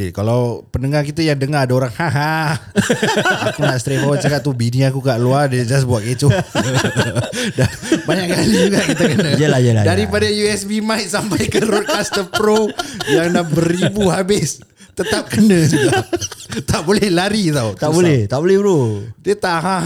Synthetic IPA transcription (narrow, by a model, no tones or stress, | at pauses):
ekalawpənəŋarkit̪əjaŋdəŋaɾadaoɾaŋhaɦa | akunaʔst̪ɾefɦɔt͡ʃakat̪̚t̪ubiniakukaʔluaded͡ʒas̬buaʔ̪̚ket͡ʃʊ | dabaɲakkalid͡ʒuɡaʔkit̪əkənə̃jəlajəladaɾipadajuɛsbimajt̪̚sampajkəɾɔt̪̚kast̪əpɾojaŋnabəɾibuɦabɪs | t̪ət̪ap̚kənə̃suɡat̪aʔbolɛhlaɾit̪aut̪aʔbolɛht̪aʔbolɛhbɾodiət̪aʔɦaɦ